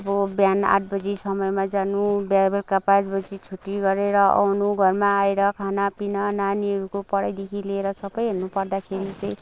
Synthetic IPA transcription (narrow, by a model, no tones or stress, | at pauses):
ʌbʌbjana̰ʈ̚ʰbʌd͡zisʌmʌjmad͡zanubjajbʌlkapãt͡sbʌd͡zit͡sʰuʈːiɡʌɾeɾʌʔa̰wnuɡʱʌrmaːeɾʌkʰanapinʌnaniʌɾukopʌɽajd̪ekʰileːɾʌsʌbʌjɦʌnupʌrd̪akʰeɾit͡sʌĩ